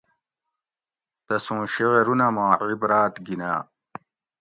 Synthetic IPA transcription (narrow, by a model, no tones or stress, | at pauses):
t̪ɐsũːɕeʁeɾunɐmãːʕibɾaːt̪ɡina̰ː